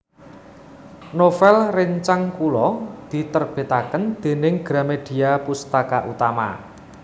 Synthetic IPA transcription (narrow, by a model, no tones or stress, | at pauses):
nofɛlreɲt͡ʃaŋkulɔd̪̥i̤t̪ərb̥e̤t̪akənd̪̥e̤nɪŋɡ̥ɾamed̪̥i̤apust̪akaʔut̪ama̰